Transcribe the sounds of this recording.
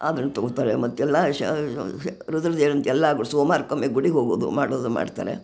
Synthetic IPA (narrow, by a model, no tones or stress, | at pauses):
aːd̪ɾɐnːut̪oɡt̪aːɾemɐt̪ːɛlːaɐ | ɾud̪ɐɾɐd̪eːɭɐnt̪ɛlːaɡuɭsoːmaːɾkːɐmːeɡuɽiɦoːɡoːd̪ṵmaːɽoːd̪uma̰ːɖt̪a̰ːɾḛ